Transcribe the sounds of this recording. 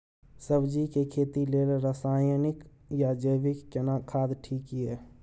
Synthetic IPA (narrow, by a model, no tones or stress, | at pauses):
səbd͡ʒikekʰeːt̪ilelɾasaːjənɪk | jad͡ʒəjbɪkːenakʰaːd̪ʈʰiːkiɦɛː